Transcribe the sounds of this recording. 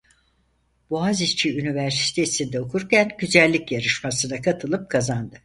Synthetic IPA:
b̥uazit͡ʃʰiynivæɾsi̥t̪ʰe̞sind̪ɛokʰuɾcænɟyzælʲːicjaɾɯʃmasɯnakʰat̪ʰɯlˠɯp̚kʰazand̪ɯ

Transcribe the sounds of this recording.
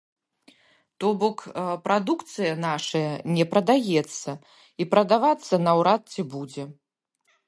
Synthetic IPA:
t̪ɔbɔkpɾad̪ukt̪sɨjɐnaʂɐjɐnʲɛpɾɐd̪ajɛt̪sːɐ | ipɾɐd̪avat̪sːɐnɐwɾat̪̚t͡sʲibud͡zʲɛ

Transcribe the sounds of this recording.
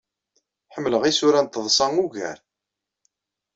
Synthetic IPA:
ħəmːləʁisʊɾænt̪ːəðˤsˤɑŋuʝæ̰ɾ

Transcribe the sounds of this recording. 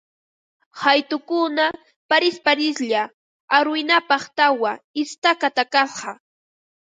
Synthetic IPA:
hajt̪ʊkʊna | paɾɪspaɾɪsʎa | aɾʊjnapɑχt̪awaɪst̪akat̪akɑsɢɑ

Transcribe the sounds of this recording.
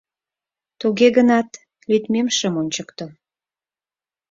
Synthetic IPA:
t̪uɣeɣənɑt̪ | lyt̪memʃəmonʲt͡ɕəkt̪o

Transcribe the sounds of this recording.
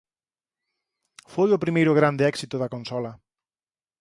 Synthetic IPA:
fojʊpɾimejɾʊɣ̞ɾand̪eɛksit̪ʊðɐkõnsɔlɐ

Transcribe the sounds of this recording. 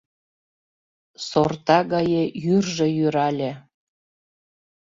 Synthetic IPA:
sort̪ɑɣɑjejyrʒĕjyɾɑlʲe

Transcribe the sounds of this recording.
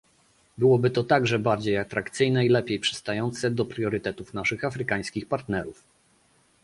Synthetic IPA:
bɘwɔbɘt̪ɔt̪aɡʐɛbaɾd͡ʑejat̪ɾakt̪sɘjnɛilɛpʲjejpʂɛ̥st̪ajɔnt̪sɛd̪ɔpɾʲjɔɾɘt̪ɛt̪ufnaʂɘxafɾɘkaj̃skʲixpaɾt̪nɛɾuf

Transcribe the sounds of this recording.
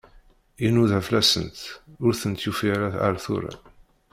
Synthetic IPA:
inuðæflæsə̰nt̪ʊɾθənt̪jufiɾaa̰ɾθṵɾa̰

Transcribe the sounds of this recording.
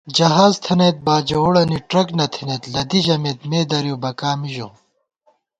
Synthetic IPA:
d͡ʑɐɦaːzt̪ʰɐneːt̪̚baːd͡ʑɐoɽɐniʈɾɐknɐt̪ʰinet̪lɐd̪iʑɐmet̪meːd̪ɐɾjoːbɐkaːmiʑo̰

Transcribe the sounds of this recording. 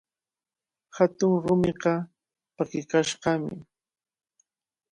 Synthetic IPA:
hat̪ʊŋɾʊmɪqɑ | pakɪkaʃɢɑmɪ̰

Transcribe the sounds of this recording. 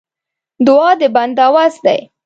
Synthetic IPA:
d̪ʊɑd̪əband̪awazd̪a̰j

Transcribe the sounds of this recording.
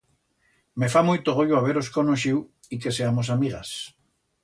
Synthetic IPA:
mefamujt̪oɣ̞oʎoaβ̞eɾoskonoʃiw | ikeseamos̬amiɣa̰s

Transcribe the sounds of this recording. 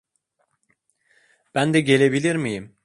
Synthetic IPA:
b̥ænd̪ɛɟe̞lʲe̞bilʲiɾmijim

